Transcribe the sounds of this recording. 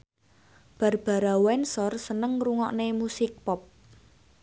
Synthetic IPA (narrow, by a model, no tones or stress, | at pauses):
b̥a̤rb̥a̤ɾawɛnsɔrsənəŋruŋɔʔnemusɪk̚pɔp̚